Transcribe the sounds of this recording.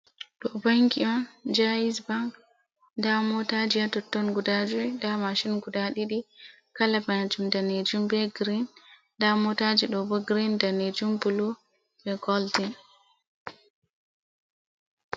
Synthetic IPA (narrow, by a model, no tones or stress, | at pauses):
ɗɔbaŋkiɔnd͡ʒaisbaŋk | ndamɔtad͡ʒijatɔtːɔnɡudad͡ʒudamaʃinɡudaɗiɗi | kalabad͡ʒumdaned͡ʒumbɛɡɾin | damɔtad͡ʒiɗɔbɔɡɾindaned͡ʒumbulu | bɛkɔltin